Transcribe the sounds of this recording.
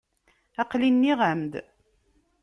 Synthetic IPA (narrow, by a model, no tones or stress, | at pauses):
ɑqlinːiʁamd̪